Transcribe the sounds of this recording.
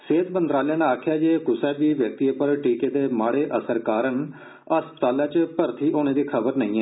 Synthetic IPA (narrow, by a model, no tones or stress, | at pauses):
seːt̪mənd̪ɾaːljãːnãaːkʰjaːd͡ʒeːkʊsɛːbiːʋjək̚t̪iːeːpəɾʈiːkeːd̪eːmaːɽeːʔəsəɾkaːɾən | əspə̥t̪aːlaːt͡ʃpəɾt̪ʰiːʔoːnẽːd̪iːkʰəbəɾnəĩːɛː